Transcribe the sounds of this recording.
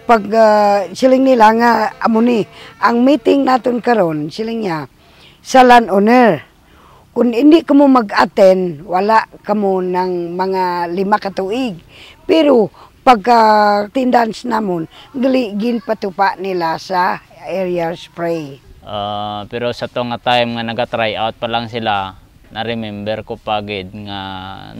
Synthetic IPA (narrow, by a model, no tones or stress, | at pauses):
pəɡsiliŋnilaŋaamuniaŋmit̪iŋnat̪unkəɾɔnsiliŋɲa | salanonər | kunindiʔkəmuməɡat̪ɛnwalaʔkəmunaŋmaŋalimakət̪uiɡ | pɛɾopaɡ̚kat̪ɪnd̪ansnamʊnɡaliʔɡɪnpat̪upaʔnilasa | ɛɾiaspɾejʔapɛɾosat̪oŋat̪ajmŋanaɡat̪ɾajʔawt̪̚palaŋsila | naɾɪmɛmbɛɾkopaɡɪd̪̚ŋa